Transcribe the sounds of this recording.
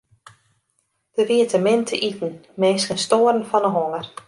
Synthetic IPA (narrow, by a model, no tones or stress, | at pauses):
d̥əʋiətəmɪntʰəʔitn̩meːskənstoːrn̩fɔnəɦoŋər